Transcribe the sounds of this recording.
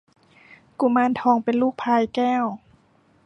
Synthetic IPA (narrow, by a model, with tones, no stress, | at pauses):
ku˧˩maː˧˥˨nt̪ʰɔː˧ŋpe˨nluː˥˩k̚pʰaː˧jkɛː˥˩˨w